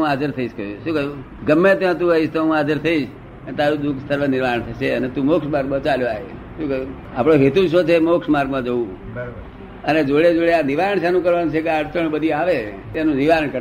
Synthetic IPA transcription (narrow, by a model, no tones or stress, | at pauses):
ũad͡ʒəɾt̪ʰəiʃkəjṵʃũkəju | ɡəmːet̪jãt̪ũəiʃt̪oɦũad͡ʒəɾt̪ʰəiʃ | ənet̪aɾũd̪uksəɾʋənɪɾʋaɾəɳt̪ʰət͡ʃeənet̪ũmokʃmaɾɡmãt͡ʃaljoa̰e | ʃũkə | apɽ̃oɦet̪uʃ̬ət͡ʃʰemokʃmaɾɡmãd͡ʒəũ | əned͡ʒoɭed͡ʒoɭeaniʋaɾəɳʃanũkəɾʋanũt͡ʃʰekeaɾt͡ʃəɳbəd̪ʱiaʋe | t̪enũniʋaɾəɳkəɾ